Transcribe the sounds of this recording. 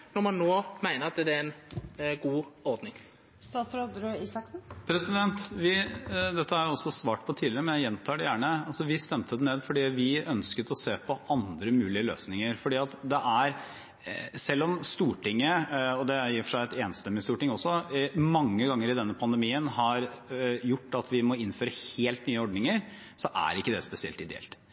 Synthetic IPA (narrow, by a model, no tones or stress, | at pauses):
nɔɾmɑnːoːmæɪnəɾɑt̪d̪ɛd̪ɛɛnɡuːɔɾd̪nɪŋ | sɑsɾod̪ɾʉiːsɑksn̩pʰɾɛsɪd̪ɛnt̪ʋɪd̪ɛt̪ːəæɾjʊɔsːɔsʋɑːʈpʰɔt̪ʰiːlɪɾəmɛnjæɪjɛnt̪ʰɑːɖɛjæːɳəɑlsɔʋɪst̪ɛmt̪əd̪ɛneːd̪fɔɖiːʋɪœnskət̪ɔseːpʰɔʔɑnd̪ɾəmʉːlɪəlø̰ːsnɪŋəɾfɔɖiːɑt̪d̪ɛʔæɾ | sɛlːɔmst̪uːʈɪŋːəɔd̪ɛjiːɾfɔʂæɪɛt̪eːnst̪ɛmːɪst̪uːʈɪŋɔsːɔmɑŋːəɡɑŋːəɾɪd̪ɛnːəpʰɑnd̪ɛmiːənhɑɾjʊʈːɑt̪ʰʋɪmɔɪnːføːɾəheːlt̪nyːəɔɖɳnɪŋəɾ | sɔʔæ̰ɾɪkːəd̪ɛspɛsɪɛ̰lt̪ɪd̪ɛɛ̰lt̪